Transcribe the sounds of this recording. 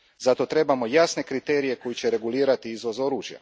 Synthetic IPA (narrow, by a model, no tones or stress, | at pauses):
zat̪o̞t̪ɾe̞bamo̞jasne̞kɾit̪e̞ːɾije̞ko̞jit͡ɕe̞ɾe̞ɡuliːɾat̪iizʋo̞zo̞ɾuːʒja̰